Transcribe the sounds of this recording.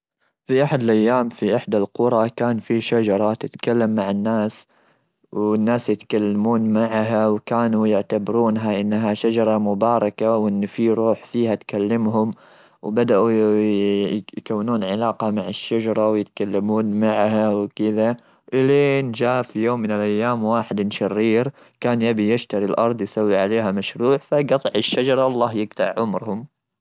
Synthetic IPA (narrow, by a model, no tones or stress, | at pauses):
fiʔaħad̪ɪlʔajːaːmfiʔaħd̪alqʊɾˤɑkaːnfiʃad͡ʒɑɾˤɑt̪ɪt̪kalːamːaʕɪnːaːs | wɪnːaːsjɪt̪kalːamuːnmaʕɦawkaːnujɪʕt̪abɾuːnɦaʔɪnːɦaʃad͡ʒɑɾˤɑmʊbɑːɾˤɑkawʔɪnːfiɾˤuːħfiːhat̪kalːamɦʊm | wbad̪aʔu | jkawːnuːnʕɪlɑːqɑmaʕaʃːad͡ʒɑɾˤɑwjɪt̪kalːamuːnmaʕhawkɪd̪a | ʔɪlend͡ʒaːfijoːmːɪnɪlʔajːaːmwaːħɪd̪ɪnʃɑrːiːɾ | kaːnjabijɪʃt̪aɾilʔɑɾˤd̪ˤjsawːiʕaleːɦamaʃɾuːʕfaɡɑt̪ˤɨʕɪʃːad͡ʒɑɾˤɑɑlˤːɑːhjɪɡt̪aʕʕʊmɾhʊm